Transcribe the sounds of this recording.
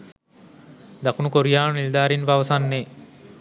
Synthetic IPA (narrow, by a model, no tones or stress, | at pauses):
d̪akunukoɾijaːnunild̪aːɾinʋaʋɐsanːe